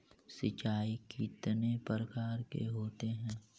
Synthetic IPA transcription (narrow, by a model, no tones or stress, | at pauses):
sɪt͡ʃaːikɪt̪nepəɾəkaːɾkḛɦoːt̪eɦɛ̃ː